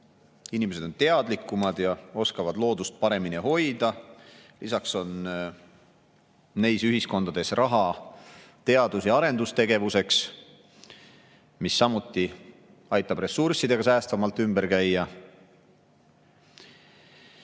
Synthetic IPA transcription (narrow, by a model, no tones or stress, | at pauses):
inimese̞d̪̥o̞nt̪e̞ɑd̪likːˑumɑd̪̥jɑo̞skɑvɑd̪lo̞ːd̪̥ust̪̚pɑɾe̞miniho̞jd̪̥ɑ | lisɑkso̞n | ne̞jsyɦisko̞nd̪̥ɑd̪e̞srʔɑɦɑ | t̪e̞ɑd̪̥usjɑɑɾe̞nd̪̥ust̪e̞ɡe̞vuse̞ks | misːɑmut̪ˑːi | ɑjt̪ːˑɑb̥re̞sːursid̪̥e̞ɡ̥ɑsæːst̪vɑmɑlt̪ːˑymbe̞ɾkæjːɑ